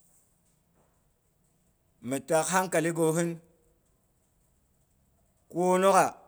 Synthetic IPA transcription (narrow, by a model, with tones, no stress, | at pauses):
mi˨ta˨kha˦ŋka˨li˦ɡo˨ɦɨ˦n | ko˦no˦ka˨